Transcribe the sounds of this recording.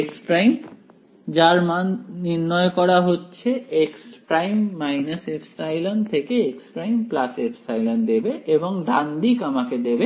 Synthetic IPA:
ekspɾajm | d͡ʑaɾmanniɾnɔekɔɽaɦotːɕʰeekspɾajmːajnasefʰsajlont̪ʰekeekspɾajmplasefʰsajlond̪ebeeboŋɖand̪ikamaked̪ebe

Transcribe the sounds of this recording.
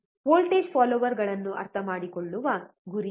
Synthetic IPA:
ʋoːlʈeːd͡ʒpʰaːlɔʋɐɾɡɐɭɐnːuʔɐ̰ɾt̪ʰɐmaːɽikoɭːuʋɐɡuɾi

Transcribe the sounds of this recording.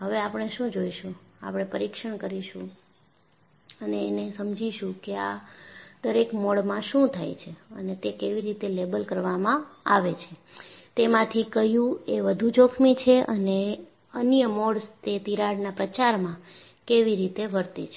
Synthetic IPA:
ɦəʋeapəɳ̃eʃũd͡ʒoiʃũa̰pɳ̃epəɾikʃəɳkəɾiʃũ | əneːnesəmd͡ʒiʃũkea | d̪əɾekmɔɽmãʃũt̪ʰajt͡ʃʰeə̰net̪ekeʋiɾit̪elebəlkəɾʋamãaʋet͡ʃʰe | t̪emãt̪ʰikəɦjũeʋəd̪ʱũd͡ʒokʰmit͡ʃʰeʔəne | ənjəmɔɽst̪et̪iɾaɽnapɾət͡ʃaɾmã | keʋiɾit̪eʋəɾt̪et͡ʃʰe

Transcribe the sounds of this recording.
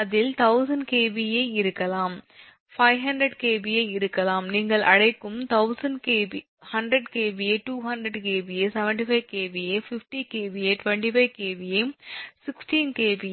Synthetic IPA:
ɐðɪlt̪ɐʊsɐnɖkeːʋijɐɪɪɾɯkːɐlaːm | fɐɪɦɐɳɖɾɐɽkeːbijɐɪɪɾɯkːɐlaːmniːŋɡɐɭʔɐ̰ɽɐɪkːɯmt̪ɐʊsɐnɖkeːbi | hɐnɖɾɐɽkeːbieʈːuːɦɐndɾɐɽkeːbijeːsɛʋɛɳʈifɐɪʋkeːʋijefɪfʈikeːʋieːʈʋɛɳʈifɐɪkeːʋijesɪksʈiːnkeːʋi

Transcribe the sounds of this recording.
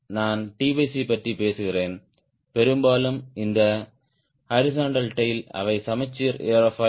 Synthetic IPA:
naːnʈiːbisipɐʈripeːsɯɣɪreːn | pɛɾɯmbaːlɯmɪnd̪ɐ | hɐɾɪs̬oːɳɖɐlʈɐjɪlɐ̰ʋɐɪsɐmɐɪt͡ʃːiːɾeːɾɐfɐ

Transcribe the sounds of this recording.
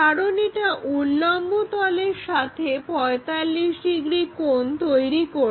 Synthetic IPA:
aɽoniʈaʔulːɔmbʱot̪ɔleɾʃat̪ʰepɔet̪alːiʃɖiɡɾikont̪ojɾiko

